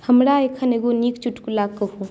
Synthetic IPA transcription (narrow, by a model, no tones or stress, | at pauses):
həmɾaekʰaneɡonik̚t͡ʃuʈkulaɡ̚kəhu